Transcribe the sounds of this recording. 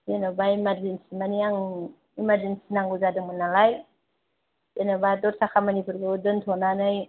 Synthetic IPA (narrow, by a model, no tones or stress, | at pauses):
jenɯbaimadɾinsimaniaŋ | imadɾinsinaŋɡuzadɯŋmɯnalaj | denɯbadɔtsakʰamanipʰuɾɡɯdɯntʰɔnanɯj